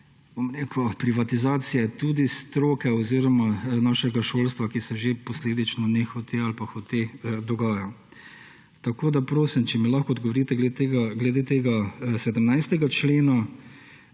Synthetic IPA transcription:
bomɾeːkʊpɾiʋat̪izaːsijɛt̪ud̪ist̪ɾoːkɛɔziɾɔmanaːʃɛɡaʃoːlst̪ʋakisɛʒepɔsleːd̪it͡ʃnɔnexɔt̪ealpaxɔt̪ed̪ɔɡaːja | t̪akoːd̪apɾoːsimt͡ʃɛmilaxkɔːd̪ɡɔʋɔɾiːt̪ɛɡlet̪eːɡaɡlɛd̪eːt̪eːɡasɛd̪əmnajst̪ɛɡat͡ʃleːna

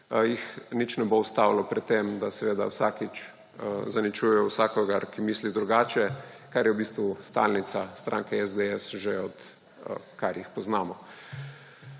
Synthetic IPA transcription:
jixnit͡ʃnɛboust̪awlɔpɾɛt̪ːemd̪asɛʋeːd̪a̰wsakit͡ʃ | zanit͡ʃujɛwsaːkɔɡaɾkimiːslid̪ɾuɡaːt͡ʃɛ | kaɾjɛwbiːst̪ʋust̪a̰lnit̪sast̪ɾʔa̰ːŋkɛɛzd̪eɛsʒeɔt̪ | kaɾjixpɔznaːmɔ

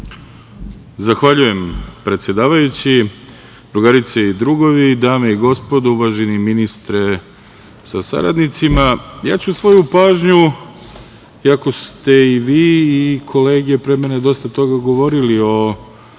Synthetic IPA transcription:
zaxʋaʎuje̞mpɾe̞t̪sje̞d̪aːʋajut͡ɕi | d̪ɾuɡaɾit̪seid̪ɾuɡo̞ʋid̪aːmeiɡo̞spo̞d̪ouʋaʒeniminist̪ɾe̞ | sasa̰ɾa̰d̪nit̪simaja̰ːt͡ɕusʋo̞jupaːʒɲu | iako̞st̪e̞iʋiːkʰo̞le̞ːɡe̞pɾemene̞d̪o̞st̪at̪o̞ɡaɡo̞ʋo̞ɾilio̞

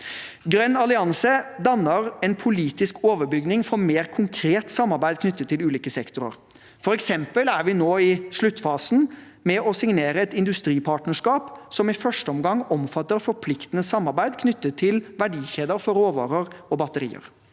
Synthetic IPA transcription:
ɡɾœnɑlɪɑnsəd̪ɑnːəɾɛnpʰʊliːt̪ɪskʰoːʋəɾbʏɡnɪŋfɔɾmeːɾkʰʊŋkʰɾeːt̪sɑmːɑɾbæɪd̪kʰnʏt̪ːət̪ʰːɪlʉːliːkəsɛkt̪ʊɾə̰ɾ | fɔɾɛksɛmpəlæɾʋɪnoːɪʂɭʉt̪ːfɑːsn̩ | mɛʔɔsɪŋneːɾəɛt̪ɪnd̪ʉst̪ɾiːpʰɑːʈnəʂkɑːpsɔmɪfœʂʈəɔmɡɑŋːɔmfɑt̪ːəɾfɔɾpʰlɪkt̪ənəsɑmːɑɾbæɪd̪kʰnʏt̪ːət̪ʰːɪlʋæɖiːçeːd̪əɾfɔɾoːʋɑ̰ːɾəɾɔbɑt̪əɾḭːə̰ɾ

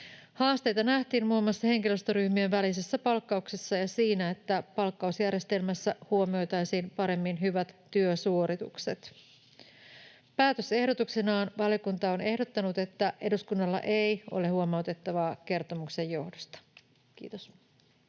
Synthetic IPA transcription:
hɑːst̪e̞jt̪ɑnæht̪iːnmuimːɑsːɑhe̞ŋkiløst̪oɾyhmyøʋælis̬esːæpɑlkːɑuksesːɑjɑsiːnæet̪ːæpɑlkːɑusjærje̞st̪e̞lmæsːæhuomio̞jt̪ɑjsiːnpɑɾe̞mːinɦyʋæt̪ːyøsuo̞ɾit̪ṵkse̞t̪ | pæːt̪øse̞hdo̞t̪uksenɑːnʋɑljokunt̪ɑone̞hdo̞t̪ːɑnut̪e̞t̪ːæʔe̞duskunːɑlːɑ̰ʔe̞jʔo̞̰leɦuomɑut̪e̞t̪ːɑʋɑːk̟e̞rt̪o̞mukse̞jːo̞hdost̪ɑ̥ | k̟ḭːt̪os

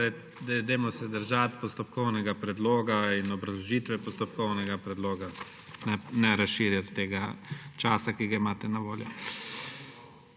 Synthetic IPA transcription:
ɛ | d̪ɛd̪emɔsɛd̪əɾʒat̪pɔst̪ɔpkɔwnɛɡapɾɛd̪loːɡainɔbɾɐzlɔʒiːt̪ʋɛpɔst̪ɔpkɔwnɛɡapɾɛd̪loːɡa | nɛnɛɾasʃiːɾjat̪ːeːɡat͡ʃaːsakiɡaimaːt̪ɛnaʋoːljɔ

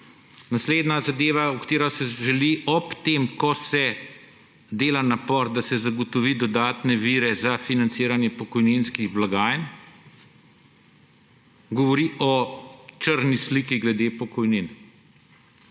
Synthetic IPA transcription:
nasleːd̪nazad̪eːʋaukt̪eːɾɔsɛʒɛliʔɔpt̪emkɔsɛ | d̪eːlanapɔɾd̪asɛzaɡɔt̪ɔʋiːd̪ɔd̪aːt̪nɛʋiːɾɛzafinant̪siːɾanjɛpɔkɔjninskiɣblaɡaːjn | ɡɔʋɔɾiʔɔt͡ʃəɾnislikiɡlɛd̪eːpɔkɔjnin

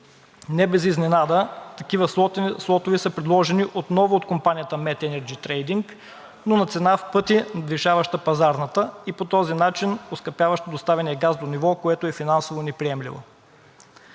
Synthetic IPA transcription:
nɛbɛziznɛnad̪ət̪ɐk̟ivəslˠɔt̪ovisəpɾɛd̪lˠɔʒɛniʔot̪nɔvoːt̪kompanijət̪əmɛt̪ɛnɛɾd͡ʒit̪ɾɛjd̪iŋk | nonɐt̪sɛnafpɤt̪inɐd̪viʃavɐʃt̪əpɐzaɾnət̪əipot̪ɔzinat͡ʃinoskɐpjavɐʃt̪əd̪ost̪avɛniɛɡazd̪onivɔkoɛt̪oɛfinansovonɛpɾiɛmlḭvo̰

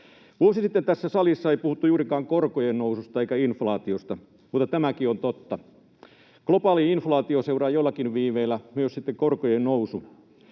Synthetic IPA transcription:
ʋuosisit̪ːent̪æsːæsɑlisːɑeipuhut̪ːujuːrikɑːŋkorkojennousust̪ɑeikːæinflɑːt̪iost̪ɑ | mut̪ːˑɑt̪æmækiont̪ot̪ːɑ | klopɑːliinflɑːt̪ioseurɑːjolːɑkinʋiːʋeːlːæmyøssit̪ːekorkojennousu

